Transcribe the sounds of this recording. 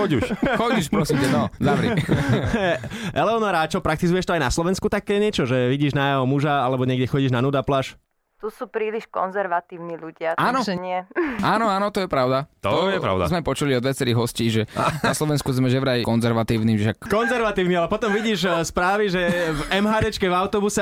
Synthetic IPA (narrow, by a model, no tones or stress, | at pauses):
xɔɟuʃxɔɟuʃpɾɔsiːmtɛnɔzaʋɾi | ʔɛlɛɔnɔɾat͡ʃɔpɾak̚t̪izujɛʃt̪ɔajnaslɔʋɛnskut̪akɛːɲɛt͡ʃɔʒɛʋiɟiːʒnajaɔmuʒaalɛbɔɲɪɛɡɟɛxɔɟiːʒnanud̪aplaʃ | t̪usuːpɾiːliʃkɔ̰nzɛɾʋat̪iːʊniluɟɪaanɔɲɪɛaːnɔaːnɔt̪ɔjɛpɾaʊd̪at̪ɔɛpɾa̰ʊd̪azmɛajpɔt͡ʃuliɔd̪ʋjat͡sɛɾiːɣɦɔsciːʒɛaslɔʋɛnskuzmɛʒɛʋɾajikɔnzɛɾʋat̪iːʊnimɛʃakkɔnzɛɾʋat̪iːʊnialɛpɔt̪ɔmʋiɟiːʒspɾaːʋiʒɛvɛmɦaːd̪ɛt͡ʃkɛvaʊt̪ɔbusɛ